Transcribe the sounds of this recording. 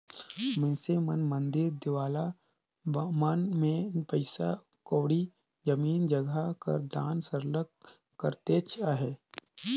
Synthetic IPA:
mɪnsemənmə̃nd̪ɪɾd̪ɪwaːla | mənmẽpəɪsa̰ | koːɽi | d͡ʒəmiːnd͡ʒəɡakə̰ɾd̪aːnsəɾlək | kːəɾt̪eːt͡ʃʰaɦɛː

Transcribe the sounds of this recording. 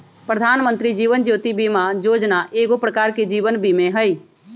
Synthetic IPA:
pɾəd̪ʱaːnmə̃nt̪ɾid͡ʒiːʋənd͡ʒjoːt̪ibimad͡ʒoːd͡ʒnaʔeːɡopɾəkaːɾked͡ʒiːʋənbʱimẽɦəiː

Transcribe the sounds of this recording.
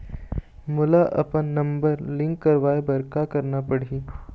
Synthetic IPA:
mʊlaʔɐ̰pənːɐ̃mbəɾlɪ̃ŋkːɐɾʋaːebɐɾkakɐɾnapəɽ̤i

